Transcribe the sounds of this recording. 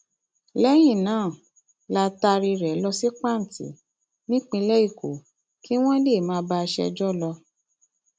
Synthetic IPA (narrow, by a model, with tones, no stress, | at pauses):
lɛ˦j̃ĩ˦˨nãː˨˦˨ | la˧ta˧ɾi˧ɾɛ˨˦lɔ˧si˦k͡pa˦˨n̩˨tḭ˨˦ | nĩ˦k͡pĩ˧lɛ˦i˦˨ko̰˨˦ | ki˦w̃ɔ̃˦le˦˨mãː˨˦ba˧ʃɛ̰˧d͡ʒɔ˦lɔ˧